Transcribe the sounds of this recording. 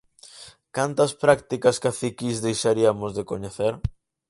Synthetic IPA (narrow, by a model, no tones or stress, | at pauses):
kant̪ɐspɾak̚t̪ikɐskaθikizðejʃaɾiɐmʊzðekoɲeθeɾ